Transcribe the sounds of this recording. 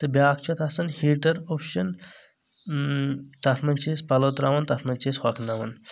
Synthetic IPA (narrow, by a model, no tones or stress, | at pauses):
t̪ɐbʲjaːk̚ʰt͡ʃʰut̪ʰɐsɐnhiʈɐɾopʃɐn | t̪ɐt̪ʰmɐnt͡ʃiːspɐlot̪ɾaʋɐnt̪ɐt̪ʰmɐnt͡ʃʰishɐkʰnaʋɐn